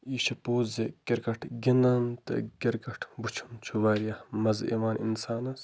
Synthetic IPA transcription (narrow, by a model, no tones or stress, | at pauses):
iʃɐpoːzekʲeɾkɐʈʰɡinɐnt̪ɐ̰kʲiɾkɐʈʰbut͡ʃʰumt͡ʃʰuʋaːɾjamɐzḭʋaːnḭnsaːnɐs